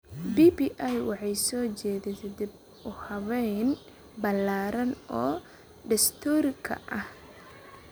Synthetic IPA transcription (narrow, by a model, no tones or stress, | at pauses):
bibiʔajwɑħɑjsɔːt͡ʃɛːðɛt̪ʰɛd̪ib̚ | ʔʊhɐβɛjn | bɐlaːɾɐnɔː | ɖɐst̪ʰɔɾkʰɐ̰ʔɐh